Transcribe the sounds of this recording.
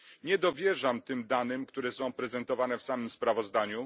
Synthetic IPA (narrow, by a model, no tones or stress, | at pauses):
ɲɛd̪ɔvʲjɛʐamt̪ɘmd̪anɘmkt̪uɾɛsɔ̃w̃pɾɛzɛnt̪ɔvanɛfsamɘmspɾavɔzd̪aɲu